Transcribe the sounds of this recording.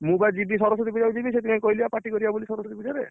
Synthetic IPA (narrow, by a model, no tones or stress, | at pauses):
mubaed͡ʒibisɔɾɔsɔt̪ibid͡ʒad͡ʒibiset̪imãkɔiliapaʈikɔɾibabolisɔɾɔsɔt̪ibid͡ʒaɾe